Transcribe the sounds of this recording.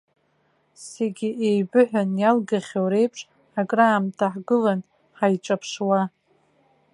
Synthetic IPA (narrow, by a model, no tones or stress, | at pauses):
se̞ɡʲiʔejbɨħᶣanjalɡaχʲowɾe̞jpʰʂʼ | akʼraːmtʰaħɡɨlan | ħajʈ͡ʂʼapʰʂwa